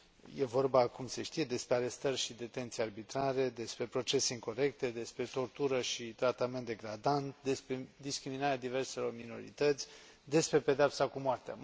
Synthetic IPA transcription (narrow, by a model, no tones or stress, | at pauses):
je̞vo̞rbakumse̞ʃt̪ije̞d̪e̞spɾeaɾe̞st̪ərʲʃid̪e̞t̪e̞nt̪sijearbit̪ɾaɾe̞d̪e̞spɾe̞pɾo̞t͡ʃe̞se̞iŋko̞ɾe̞kt̪e̞d̪e̞spɾe̞t̪o̞rt̪uɾəʃit̪ɾat̪ame̞nt̪d̪e̞ɡɾad̪ant̪d̪e̞spɾe̞d̪iskɾiminaɾead̪ive̞rse̞lo̞rmino̞̰ɾḭt̪ət̪sʲ | d̪e̞spɾe̞pe̞d̪eapsakumoart̪ea̰